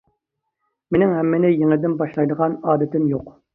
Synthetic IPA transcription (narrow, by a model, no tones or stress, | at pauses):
mɪnɪŋɦɛmːɪnɪjeŋɪld̪ɪnbɑʃlˠɑjd̪əʁɑnɑːd̪ɪt̪ɪnjoq